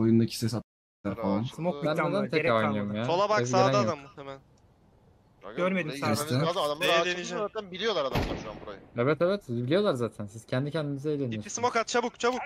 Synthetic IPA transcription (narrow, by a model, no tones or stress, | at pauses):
ojund̪acʰi̥sɛs̬at̪a | lʲæɾfalˠanmokæned̪ænt̪ʰɛɾojnijomjaːolˠabaeaeæd̪ad̪ammut̪ʰemɛl | ɟøɾmed̪imɛsɛad̪aad̪amˠaɾd̪eiʃzaːt̪ʰænbilʲijo̞lˠaɾad̪amaanbuɾajaeβɛt̪eβɛt̪bilʲijo̞lˠaɾzaːt̪ʰænsiz̥cʰɛnd̪icʰɛnd̪inizɛejlʲe̞niioɾismokat̪̚t͡ʃʰabukt͡ʃʰabuk